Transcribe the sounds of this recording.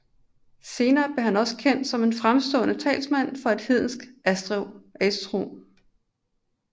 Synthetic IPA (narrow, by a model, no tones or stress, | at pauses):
se̝ːnɐːb̥le̝ɦænɒ̽sə̥kʰen̰d̥sɒ̽me̝nfʁamsd̥ɔ̰̽ːnət͡sʰɛ̰ːlsmæn̰fɒ̽e̝d̥hið̞̰ˠn̩sɡ̥æsd̥ʁɛʊesdʰʁo̝̰ːm